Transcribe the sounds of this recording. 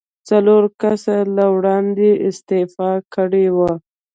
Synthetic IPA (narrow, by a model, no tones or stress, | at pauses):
t͡saloɾkasalawɽɑnd̪eʔɪst̪efɑkəɽewa